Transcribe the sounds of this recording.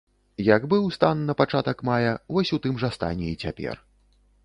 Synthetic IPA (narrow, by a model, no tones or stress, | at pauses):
jɐɡbɨwst̪anːɐpat͡ʂat̪ɐkmajɐvɔsʲut̪ɨmʐɐst̪a̰nʲɛit͡sʲapʲɛ̰r